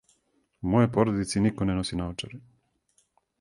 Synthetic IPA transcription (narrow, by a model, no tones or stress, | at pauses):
mojepoɾod̪it̪sinikonenosinaot͡ʃeɾe